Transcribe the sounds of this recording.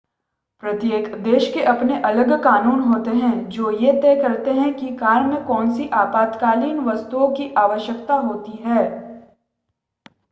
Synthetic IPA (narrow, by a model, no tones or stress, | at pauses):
pɾɐt̪jeːkd̪eːʃkeʔɐpneʔɐləɡkaːnuːnɦoːt̪eɦɛ̃d͡ʒoːjet̪ɛːkɐɾt̪eɦɛ̃kikaːɾmẽkɔːnsiʔaːpaːt̪kaːliːnʋɐst̪uõkiʔaːʋəʃjəkt̪aɦoːt̪iɦɛː